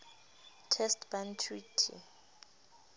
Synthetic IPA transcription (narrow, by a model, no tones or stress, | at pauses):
tʰɛstbantʰɹitʰḭ